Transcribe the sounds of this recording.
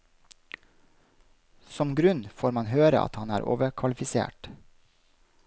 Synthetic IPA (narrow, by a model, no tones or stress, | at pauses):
sɔmɡɾʉnfoːɾmɑnhøːɾə̰ʔɑ̰t̪hɑnæːɾʔo̰ːʋəkʰʋɑlɪfɪsḛːʈ